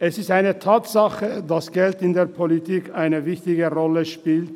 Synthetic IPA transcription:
ʔɛsɪstaɪnətʰaːtsaχədasɡ̥ɛltɪndeːɐpʰolitʰiːkʰaɪnəvɪçtɪɡəʁɔləʃpiːlt

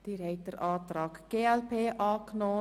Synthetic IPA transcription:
d̥iːɾɛɪt̚əɾʔɑːt̪ɾɑːkɡ̥eːɛlpʰeːʔɑːknoː

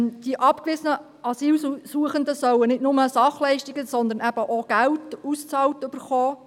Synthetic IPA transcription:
d̥iʔɑpkvɪsənə | ʔɑsiːlsuəχənd̪əsœwənɪtnʊməsɑχlɛɪʃtiɡəsɔnd̪əɾnʔæb̥əʔoɡ̥æltust͡sɑːltʏb̥əɾχɔː

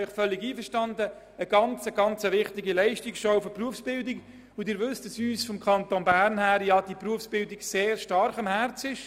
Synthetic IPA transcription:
ɪχfœlːɪɡiːfəʃtɑndə | əɡ̥ɑnt͡səɡ̥ɑnt͡səʋɪχtɪɡilɛɪʃtɪkʃofəpruəfsb̥ɪldɪk | ʊdɪːɾʋʏstd̥ɑsyːsfɔmkʰɑntonbæɾnhæːɾjɑd̥ipruəfsb̥ɪldɪkseːrʃtɑɾχɑmhært͡sɪʃ

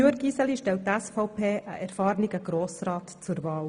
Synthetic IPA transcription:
øəɡisəliʃtɛlttːæsfɑʊpʰeːʔə̰ʔɛɾfɑːɾniɡəɡ̥ɾoːsrɑːtt͡sʊɾvɑːl

